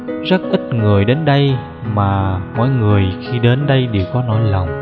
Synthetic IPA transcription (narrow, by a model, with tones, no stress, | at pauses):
zə˦˥t̚ʔi˦˥t̚ŋɨ˨˩əjɗe˨˦nɗə˧j | maː˨˩mɔ̰˧˨jŋɨ˨˩əjxi˧ɗe˨˦nɗə˧jɗe˨˩wkɔ˨˦nɔ˨˦jlə˨˩wŋ͡m